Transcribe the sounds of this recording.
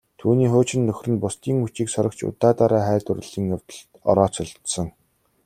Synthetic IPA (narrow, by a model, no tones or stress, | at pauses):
t̪ʰuːniːχoːt͡ɕɪ̆nːɵxʲrɘ̆npʊst̪iːŋxut͡ɕiːksɔɾə̆kt͡ɕʰʊ̰t̪aːt̪aɾaːχæːt̪ʊrɘ̆ɮiːŋwt̪ə̆ɮt̪ɔ̰ɾɔːt͡sʊ̆ɮt̪sɞ̆ŋ